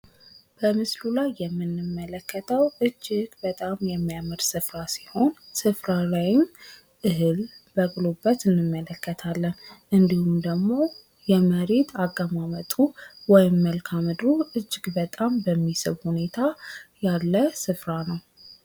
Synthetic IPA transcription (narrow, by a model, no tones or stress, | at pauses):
b̥əmɨslulajːɛmːɨnːɨmːələkːət̪ʰəwʔɨd͡ʒːɪɡbət̪ʼamjɛmːijamɨɾsɨfɾasiho̞nsɨfɾalajɪm | ʔɨɦɨlbəɡlobːət̪ɨnːɨmːələkːət̪ʰalːənʔɨnd̪ihumd̪əɡmo̞ | jɛməɾet̪ʰaɡːəmamət̪ʼuwɔjɪmːəlkʰamɨd̪ɾuʔɨd͡ʒːɪɡbət̪ʼambəmːisɨ̰βhune̞t̪ʰajalːəsɨfɾanəw